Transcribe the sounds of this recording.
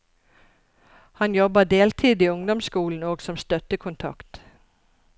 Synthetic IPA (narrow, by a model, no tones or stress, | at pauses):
hɑnjɔbəd̪eːlt̪ʰiːd̪iːʊŋd̪ɔmskuːln̩oːɡsɔmst̪œt̪əkʰʊnt̪ʰɑ̰kt̪